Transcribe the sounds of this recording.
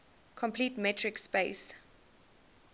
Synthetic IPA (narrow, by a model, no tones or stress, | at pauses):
kʰɔ̃mpʰliːtmɛtʰɹɪkspeɪs